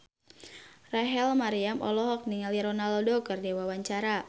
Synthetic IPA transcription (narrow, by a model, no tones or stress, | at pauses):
raɦɛlmaɾiamʔɔlɔɦɔk̚niŋaljaɾɔnalɔdokɨrdewawaɲt͡ʃaɾa